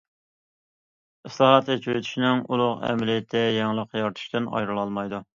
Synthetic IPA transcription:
ɨslˠɑhɑt̪ʰɛt͡ʃʰyɾt̪ʰy̥ʃinɪŋulˠʊqɛ̰mlit̪ʰːɛjɛŋlˠəqjɑɾt̪ʰu̥ʃt̪ɪnɑ̰jɾɨlˠɑlˠmɑjd̪u

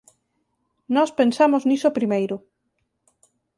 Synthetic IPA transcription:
nɔspensamoznisopɾimejɾʊ

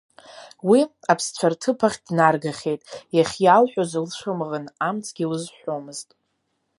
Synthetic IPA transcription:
wi | apʰst͡ɕʷʰartʰɨpʰaχʲd̥narɡaχʲe̞jtʼjaχʲjalħʷᶣozɨlʂʷʰɨmʁənamt͡sʰʼɡʲiwʊzħʷᶣomɨztʼ

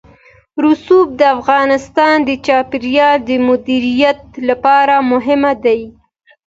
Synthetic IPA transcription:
ɾusub̚d̪əafɣɑnɪst̪ɑnd̪ət͡ʃɑpɪɾjɑld̪əmʊd̪iɾijat̪̚lapɑɾamʊɦɪmad̪aj

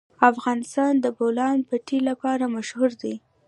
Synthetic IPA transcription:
afɣɑnɪst̪ɑnd̪əbolɑnpəʈʰilapɑɾamaʃhuɾd̪i

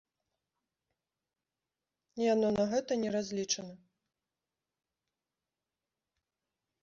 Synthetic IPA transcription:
janɔnɐɣɛt̪ɐnʲɛɾazʲlʲit͡ʂɐnɐ

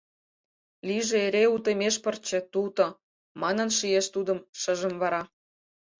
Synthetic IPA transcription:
liʒĕeɾeut̪emʲeʃpərt͡ɕĕt̪ult̪o | mɑnə̆nʃijeʃt̪ud̪ə̆mʃə̆ʒə̆mβɑɾɑ

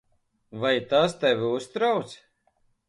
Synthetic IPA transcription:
vajt̪ast̪ɛvʲiust̪ɾawt̪s

